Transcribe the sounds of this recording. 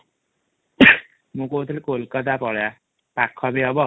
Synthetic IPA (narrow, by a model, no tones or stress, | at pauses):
mũkot̪ʰilekolkɔt̪ʰapɔɭja | pakʰːɔbeɔbɔ